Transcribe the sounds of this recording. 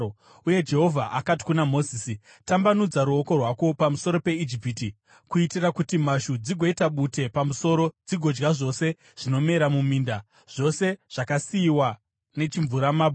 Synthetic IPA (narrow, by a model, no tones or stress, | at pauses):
uje̞d͡ʒe̞ɦo̞vʱaʔakati̥kunamo̞ziːsi | tambanud͡zaɾuoko̞rwako̞pamuso̞ɾo̞pe̞id͡ʒipiti | kuitirakutimaʃud͡ziɡʱo̞itaɓute̞pamuso̞ɾo̞d͡ziɡʱo̞d͡ʒɡaʐo̞se̞ | ʐ̥ino̞me̞ɾamumiːnda | ʐ̥o̞se̞ʐ̥akasiːwa | ne̞t͡ʃiɱvuɾamaːbʱ